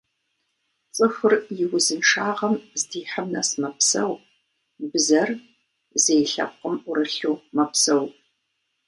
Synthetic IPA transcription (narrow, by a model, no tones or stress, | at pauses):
t͡sʼɨxʷʊrjɪwʊzɨnʈ͡ʂaːʁɐmzdiːħəmnɐsmɐpsɐ̰w | bɨzɐr | zejɬɐ̰p̚qəmʊɾɨɬuːmɐpsɐw